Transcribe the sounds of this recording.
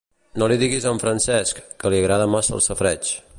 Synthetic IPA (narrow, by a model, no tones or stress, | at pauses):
noliðiɣizaɱfɾənsɛskːəliəɣɾaðəmasə̰lˠsəfɾɛt͡ʃ